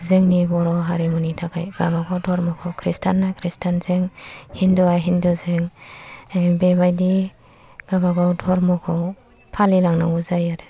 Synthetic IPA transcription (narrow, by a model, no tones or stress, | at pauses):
zeŋnibɔɾɔɦaɾimunitʰakʰajɡ̥aβaɡawdʱɔɾmɔkʰɔwkʰɾistʰanːajkʰɾistʰanzeŋhindɔajɦindɔzeŋ | bebajdi | ɡ̥aβaɡawdʱɔɾmɔkʰɔw | pʰalilaŋna̰uzajaɾe